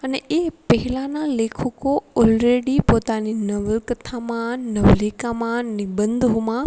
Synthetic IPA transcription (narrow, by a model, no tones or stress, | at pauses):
ənɛepɦɪlãnãleːkʰokoɔːlɾeːɽipoːt̪aninɐʋəlkət̪ʰamãnɐʋleːkamãnɪbə̃nd̪ɦmã